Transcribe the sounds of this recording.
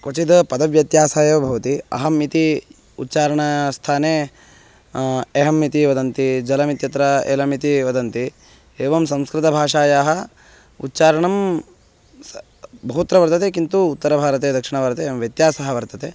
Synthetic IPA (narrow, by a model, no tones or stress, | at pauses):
kot͡ʃid̪ɐpɐd̪ɐʋjɐt̪jaːsaːjɐːbʱɐʋɐt̪iɐ̰ɦɐmit̪i | ut̪ːt͡ʃaːɾɐɳɐst̪ʰaːneː | eːɦɐmit̪iʋɐd̪ɐnt̪id͡ʒɐlɐmit̪jɐt̪ɾɐḛːlɐmit̪iʋɐd̪ɐnt̪i | eːʋɐmsɐ̃mskɾɪt̪ɐbʱaːʂaːjaːɦɐ | ṵtːt͡ʃaːɾɐɳɐm | bʱɐɦut̪ɾɐʋɐɾt̪ɐt̪eːkint̪uːt̪ːɐɾɐbʱaːɾɐt̪eːd̪ɐkʂiɳɐʋɐɾt̪eːmʋjɐt̪jaːsɐɦɐʋɐɾt̪ɐt̪eː